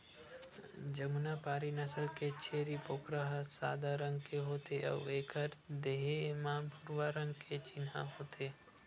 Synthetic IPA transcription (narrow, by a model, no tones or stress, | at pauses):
d͡ʒɐmʊnapaːɾinɐsəlket͡ʃʰeːɾipoːkɾəɦsa̰ːd̪aɾə̃ŋɡ̚keɦoːt̪eʔɔ̰ːʋeːkʰəɾd̪eːɦemãːpʊɾwaɾə̃ŋɡkʰet͡ʃɪnɦã̰ɦoːt̪ʰeː